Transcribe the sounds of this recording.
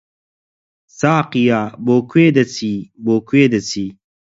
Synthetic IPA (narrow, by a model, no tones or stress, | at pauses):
saːqijaːboːkʰweːd̪ɐt͡sʰiboːkweːd̪ɐt͡sʰiː